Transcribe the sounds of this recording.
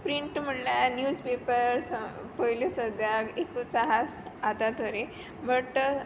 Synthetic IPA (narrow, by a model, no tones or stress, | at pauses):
pɾiɳʈm̤əɽljanjuːd͡zpepəɾspəjlisəd̪jaɡekut͡saɦasad̪at̪oɾe | bʱəʈ